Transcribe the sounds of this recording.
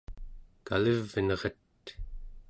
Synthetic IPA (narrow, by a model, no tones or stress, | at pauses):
ka̰ləvːənʁet̪